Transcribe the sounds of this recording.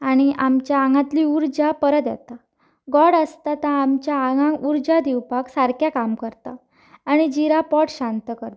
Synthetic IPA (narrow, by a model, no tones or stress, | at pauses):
aɽ̃iʔamt͡ɕjaːŋɡãt̪liːuɾd͡ʑapəɾət̪jɛ̰t̪a | ɡɔɽəst̪at̪ãːmt͡ɕjaaãuɾd͡ʑad̪iwpaksaɾkjakamkəɾt̪aː | ɽ̃id͡ʑiɾapɔʈɕant̪əkəɾt̪ḁ